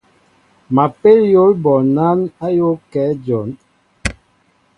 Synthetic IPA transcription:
ma˨pe˦ljo˦lbɔ˨na˦na˦jo˦kɛ˨˦d͡ʒɔ˨˦n

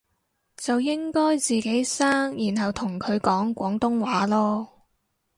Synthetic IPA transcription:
t͡sɐ˨wjɪ˥ŋkɔː˥jt͡siː˨ke˨˥jsaː˥ŋjiː˨˩nɦɐ˨wt̪ʰʊ˨˩ŋkʰɵ˨˧ɥkɔː˨˥ŋkʷɔː˨˥ŋt̪ʊ˥ŋwaː˨˥lɔː˥

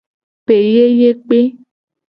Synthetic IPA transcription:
pe˨je˦je˦k͡pe˦

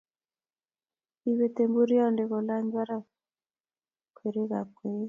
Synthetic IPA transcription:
i˦βe˦te˨mbu˦ɾi˦ɔ˦nde˨ɣɔ˨la˦ɲd͡ʒwa˦ɾa˦ | kwe˨ɾe˦ɣa̰˨kwe˨˦

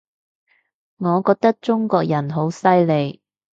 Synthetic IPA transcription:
ŋɔː˨˧kɔː˧k̚t̪ɐ˥k̚t͡ʃʊ˥ŋkɔː˧k̚jɐ˨˩nɦo˨˥wsɐ˥jle˨˧j

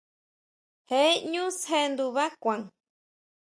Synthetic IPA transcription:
he˦ɲũ˦she˧nd̪u˧βa˦kʷa˨ŋ

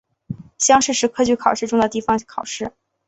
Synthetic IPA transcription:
ɕjɑ˥ŋʂɻ̩˥˩ʂɻ̩˧˥kʰɤ˥t͡ɕy˥˩kʰɑ˨˩ʊʂɻ̩˥˧ʈ͡ʂʊ˥ŋd̪ə˨t̪i˥˩fɑ˩ŋkʰɑ˨˩ʊʂɻ̩˥˩

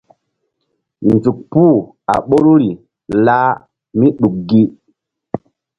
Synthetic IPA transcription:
nzu˨k̚puː˦˨ | a̰˨ɓo˦ɾu˦ɾi˨ | laː˦ | mi˦ɗu˨k̚ɡi˦

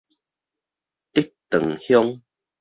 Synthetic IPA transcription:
t̪i˦t̪ːə̰˨ŋhju˦ŋ

